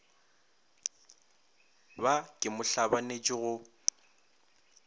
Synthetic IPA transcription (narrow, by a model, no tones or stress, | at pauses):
bakʼɪmʊɬabanet͡ʃʼɪɣʊ